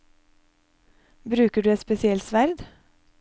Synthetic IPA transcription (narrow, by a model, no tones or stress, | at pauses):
bɾʉːkəɖʉːɛt̪spɛsɪɛlt̪sʋæɾd̪